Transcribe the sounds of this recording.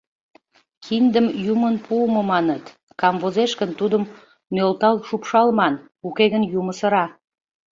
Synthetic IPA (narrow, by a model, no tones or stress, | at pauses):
kʰind̪əmjumənpʰumomɑnət̪ | kɑmvozeʃkənt̪ud̪əmː | ølt̪ɑlʃupʃɑlmɑn | ukeɣənjuməsəɾɑ